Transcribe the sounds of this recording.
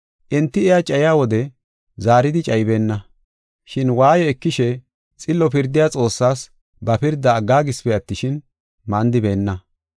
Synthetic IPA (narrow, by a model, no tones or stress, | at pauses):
ʔɛnt̪ːɪɛjat͡ʃʼɐjjaːwɔd̪ɛ | zaːɾɪd̪ɪt͡ʃʼɐjbe̞ːnːɐ | ʃɪnwaːjɔɛkːɪʃɛ | t͡sʼɪlːɔpɪɾd̪ːɪjaːt͡sʼo̞ːsːaːs | bɐpɪɾd̪ːɐːɡːaːɡɪspɛɐt̪ːɪʃɪn | mɐnd̪ɪbe̞ːnːɐ